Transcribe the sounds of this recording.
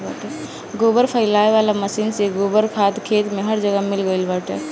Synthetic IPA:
aːʈɛ | ɡoːbəɾpʰəɪlaːeʋaːlaməsiːnseɡoːbəɾkʰaːt̪kʰeːt̪mẽɦəɾd͡ʒəɡəmɪlɡəɪlbaːʈɛ̰ː

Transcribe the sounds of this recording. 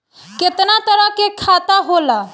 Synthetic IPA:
kɪt̪nat̪əɾəkekʰaːt̪aɦoːlaː

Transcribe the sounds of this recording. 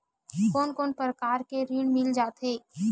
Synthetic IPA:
koːnkoːnpɾəkaːɾkeɾiːɽmɪld͡ʒaːt̪ɦeː

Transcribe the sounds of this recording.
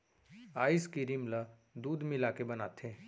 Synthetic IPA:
aːiskiɾimla | d̪uːd̪mɪlaːkebənaːt̪ʰeː

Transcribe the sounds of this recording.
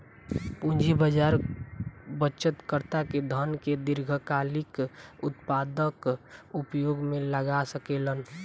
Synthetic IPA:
pũnd͡ʒʱibəd͡ʒaɾ | bəʃət̪kəɾt̪aked̪ʱənked̪ɪɾɡʱəkaːlɪkʊt̪pad̪əkupjoɡmẽləɡasəkeːlən

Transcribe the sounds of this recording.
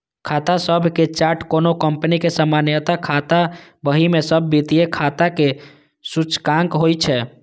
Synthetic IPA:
kʰat̪asəbʱket͡ʃaɾʈkonokəmpənikesəmanjət̪akʰat̪abəɦimesəbʱːit̪ijekʰat̪ake | sut͡ʃkãŋkɦojt͡ʃʰɛ

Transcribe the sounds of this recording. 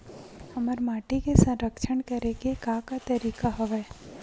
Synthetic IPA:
həməɾmaːʈikesə̃nɾəkʃəɳkəɾekekakat̪əɾiːkaɦəʋeː

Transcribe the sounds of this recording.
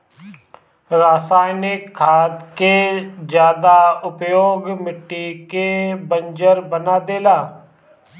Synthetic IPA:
ɾaːsaːjnɪkʰːaːd̪kezjaːd̪aʊpjoːɡmɪʈːikebənd͡ʒəɾbənaːd̪eːlaː

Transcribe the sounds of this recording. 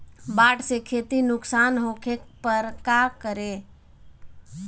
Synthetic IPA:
baːʈsekʰeːt̪inʊksaːnɦokʰekpəɾkakəɾe

